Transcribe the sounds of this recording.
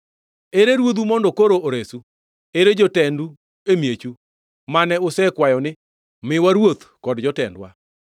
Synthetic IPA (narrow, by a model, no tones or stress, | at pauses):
eɾeɾwot̪̬umɔndɔkoɾoʔoɾesu | eɾed͡ʒɔtɛndu | emjet͡ʃu | manɛʊsɛkwajɔnɪ | mɪwaɾwot̪kɔdd͡ʒɔtɛ̰ndwa̰